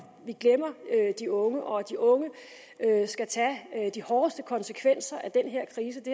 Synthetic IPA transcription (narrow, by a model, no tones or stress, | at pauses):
ʋiɡ̥lem̰ɐød̥iɔ̽ŋəʔɒ̽d̥iʔɔ̽ŋə | øsɡ̥æt͡sʰɛd̥ihɒːsd̥əkʰɒ̽nsəkʰʋen̰sɐʔæd̥enɦeɐ̰kʰʁiːs̬əd̥e